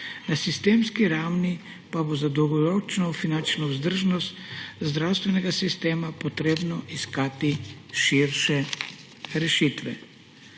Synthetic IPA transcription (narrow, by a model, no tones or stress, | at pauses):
nasist̪eːmskiɾawni | pabozad̪ɔwɡɔɾɔt͡ʃnɔfinant͡ʃnɔwzd̪əɾʒnɔst̪zd̪ɾawst̪ʋɛnɛɡasist̪eːmapɔt̪ɾeːbnɔʔiskaːt̪iʃiɾʃɛ | ɾɛʃit̪ʋɛ̰